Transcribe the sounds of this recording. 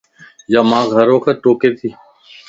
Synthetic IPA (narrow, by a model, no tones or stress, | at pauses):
jaːmãːɡʱəɾõːkʰeːʈoːkeːt̪ʰiː